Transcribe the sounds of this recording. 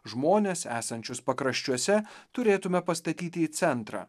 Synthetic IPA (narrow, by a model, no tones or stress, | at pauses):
ʒmoːnʲeːsæ̰ːsɐnʲt͡ʃʲʊspɐkɾɐʃʲt͡ʃʲuɔsʲɛt̪ʊɾʲeːt̪ʊmʲɛpɐst̪ɐt̪ʲiːt̪ʲɪːt̪sʲɛnt̪ɾɑ̰ː